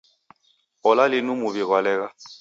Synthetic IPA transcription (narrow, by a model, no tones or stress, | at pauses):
ɔlalɪnumʊbiɣwalɛːka